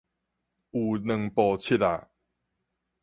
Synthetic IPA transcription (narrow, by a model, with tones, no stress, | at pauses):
u˨˩nə˨˧˨ŋpɔ˧t͡ɕʰi˦ta̰˨